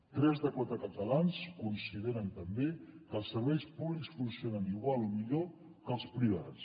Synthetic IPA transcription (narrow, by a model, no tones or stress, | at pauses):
t̪ɾɛzðəkwat̪ɾəkət̪əlanskunsiðeɾənt̪əmbekəlˠsːəɾβɛjspuβliksfunsionəniɣwalˠomiʎo | kəlˠspɾiβ̞a̰ts